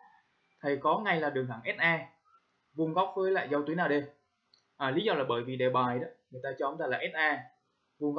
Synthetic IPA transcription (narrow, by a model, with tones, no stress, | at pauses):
t̪ʰə˨˩jkɔ˨˦ŋa˧jlaː˨˩ɗɨ˨˩əŋt̪ʰaː˧˩ŋʔɛ˦˥t̚ʔaː˧ | vu˧ŋ͡mɣa˦˥wk͡p̚vəː˨˦jla̰ː˧˨jzə˧wt̪wi˨˦naː˨˩ɗe˧ | ʔaː˨˩li˨˦zɔː˧laː˨˩ɓəː˧˩jvi˨˩ɗe˧˩ɓaː˨˩jɗɔ˨˦ŋɨ˨˩jt̪aː˧t͡ɕɔ˧˨˧ŋ͡mzaː˧˩laː˨˩ʔɛ˦˥t̚ʔaː˧ | vu˧ŋɣ